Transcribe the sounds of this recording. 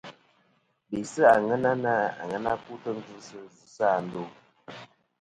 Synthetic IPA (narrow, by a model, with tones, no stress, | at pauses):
bi˨sə˦a˨ŋə˦na˦na˦a̰˨ŋə˦na˦ku˦tə˦ŋ̩˦zɨ˦sə˦zɨ˦sa˦˨n̩˦do˦˨